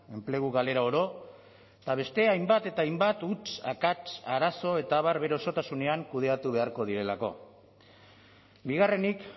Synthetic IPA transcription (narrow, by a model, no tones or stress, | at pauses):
e̞mple̞ɣ̞uɣale̞ɾaoɾo̞ | t̪aβ̞e̞st̪e̞ajmbat̪e̞t̪aajmbat̪ut͡ʃa̰kat͡ʃaɾaso̞e̞t̪aːβ̞aɾβe̞ɾo̞so̞t̪asune̞aŋkuð̞e̞at̪uβ̞e̞aɾko̞ð̞iɾe̞lako̞̰ | biɣ̞are̞nik